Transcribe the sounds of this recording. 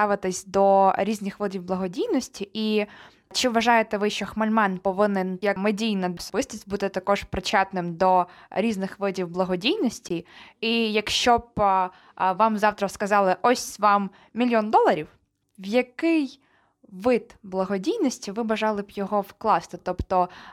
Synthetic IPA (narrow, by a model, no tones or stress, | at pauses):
t̪ɑʋɪt̪ɪsʲd̪ɔɾʲizʲnʲɪxʋɪdʲiwblˠɐɦɔdʲijnɔsʲtʲiʔi | t͡ʃɪʋʋɐʒɑjet̪ɛʋɪʃt͡ʃɔxmɐlʲmɑnpɔʋɪnɪnjɐkmedʲijnɐɔsɔbɪst̪ʲisʲtʲbut̪ɪt̪ɐkɔʒpɾɪt͡ʃɑt̪nɪmd̪ɔ | ɾʲiznɪxʋɪdʲiwblˠɐɦɔdʲijnɔsʲtʲiijɐkʃt͡ʃɔb | ʋɑmzɑwt̪ɾɐskɐzɑlˠɪʔɔsʲʋɑm | mʲilʲjɔnd̪ɔlˠɐɾʲiw | wjɐkɪj | ʋɪd̪blˠɐɦɔdʲijnɔsʲtʲiʋɪbɐʒɑlˠɪbjɔɦɔwklˠɑst̪ɪt̪ɔpt̪ɔ